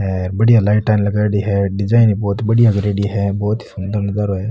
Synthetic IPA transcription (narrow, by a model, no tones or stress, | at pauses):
ɛːɾbɐɽijalaɪʈːaːɪnlɐɡaːɽiɦɛɖɪd͡ʒaːɪnibɔːt̪ibɐɽijaɡɾeːɽiɦɛbɔːt̪i̥sʊnd̪əɾlɐɡaːɾoɦɛː